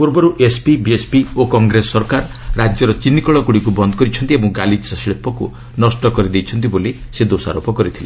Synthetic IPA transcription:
puɾbɔɾuʔespibiespiokɔŋɡɾesːɔɾkaɾː | ad͡ʒjɔɾɔt͡ʃinːikɔɭɔkuɽikubɔnd̪ɔkɔɾit͡ʃʰɔnt̪iebɔŋɡalissɭepɔku | nɔsʈɔkɔɾid̪ejt͡ʃʰɔnt̪̬iboli | sed̪osa̰ɾopɔkɔɾit̪ʰile

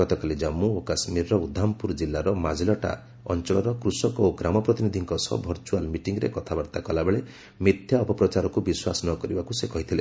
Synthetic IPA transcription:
ɡɔt̪ɔkalid͡ʒamːuokasmiɾɾɔud̪ʱːampuɾd͡ʒilːaɾɔmad͡ʒilɔʈa̰ | ɔ̰nt͡ʃɔɭɔɾɔkɾusɔkoɡɾamɔpɾɔt̪inid̪ʱiŋkɔsɔ̰bʱɔɾt͡ʃualmiʈiŋɡɔɾḛkɔt̪ʰabaɾt̪akɔlabeɭe | mid̪ʱjaɔpɔpɾɔt͡ʃaɾɔkubiswasɔnɔkɔɾibakusekɔɦit̪ʰile

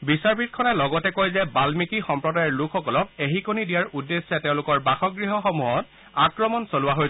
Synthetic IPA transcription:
bisaɹbit̚kʰɔnɛlɔɡɔtɛkojzɛbalmikixɔmpɹɔdajɔɹlukʰxɔkɔlɔk̚eɦikonidijaɹudːesːɛtɛʊ̃lʊkɔɹbaxɔɡɹiɦɔxomuɦɔt̚ | akɹɔmɔnsolʊwaɦoj

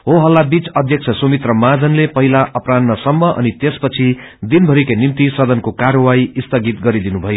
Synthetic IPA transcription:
ɦoɦʌlːabit͡sʌd̪ʱjʌk̚t͡sʰʌsomit̪rʌmad͡zʌnlepʌɦilaʔʌpranːʌsʌmːʌʔʌ̰nit̪espʌt͡sʰi | d̪inbʱʌɾikenimt̪isʌd̪ʌnkokaɾwaiist̪ʌɡit̪̚ɡʌɾid̪inubʱʌjo

